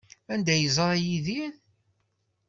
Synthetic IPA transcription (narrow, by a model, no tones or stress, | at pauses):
ænd̪æjəzˤɾˤɑjiðin